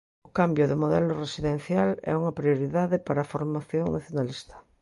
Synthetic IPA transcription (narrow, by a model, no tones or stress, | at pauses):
ʊkambjoðemoðɛloresiðẽn̟θjalɛ̰uŋapɾioɾiðaðepaɾafoɾmaθjoŋnaθjonalist̪ḁ